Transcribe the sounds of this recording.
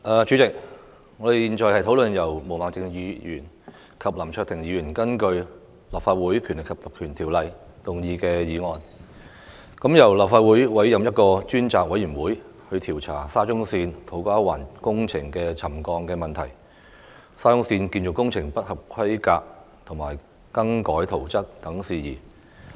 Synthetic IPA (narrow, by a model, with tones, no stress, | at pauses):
ʔaː˨˧t͡ʃyː˨˧t͡sɪ˨k̚ | ŋɔː˨˧d̪e˨jiː˨nt͡ʃɔː˨˧jhɐ˨jt̪ʰo˨˥wlɵ˨njɐ˨˩wmo˨˩wmaː˨˥ŋt͡sɪ˧ŋjiː˨˧jyː˨˩n | kʰɐ˨p̚lɐ˨˩mt͡ʃʰœː˧t̪ʰɪ˨˩ŋjiː˨˧jyː˨˩nkɐ˥nkɵ˧ɥ | lɐ˨p̚faː˧t̚wuː˨˥jkʰy˨˩nlɪ˨kʰɐ˨˩p̚lɐ˨˩p̚kʰyː˨˩nt̪ʰiː˨˩wlɐ˨˧j | t̪ʊ˨˩ŋjiː˨˧kɛː˧jiː˨˧ŋɔː˨n | kɐ˨˥mjɐ˨˩wlɐ˨p̚faː˧t̚wuː˨˥jwɐ˨˥jjɐ˨mjɐ˥t̚kɔː˧t͡ʃyː˥nt͡saː˨k̚wɐ˨˥jyː˨˩nwuː˨˥j | hɵ˧t̪ʰiː˨˩wt͡sʰaː˨˩saː˥t͡ʃʊ˥ŋsiː˧nt̪ʰo˨˥wkaː˥wa̰ː˨˩nkʊ˥ŋt͡sʰɪ˨˩ŋkɛː˧t͡sʰɐ˨˩mkɔː˧ŋkɛː˧mɐ˨nt̪ʰɐ˨˩j | saː˥jʊ˥ŋsiː˧nkiː˧nt͡sʊ˨kːʊ˥ŋt͡sʰɪ˨˩ŋpɐ˥t̚hɐ˨p̚kʰɐ˥jkaː˧k̚ | t̪ʰʊ˨˩ŋmaː˨˩j | kɐ˥ŋkɔː˨˥jt̪ʰo˨˩wt͡sɐ˥k̚t̪ɐ˨˥ŋsiː˨jiː˨˩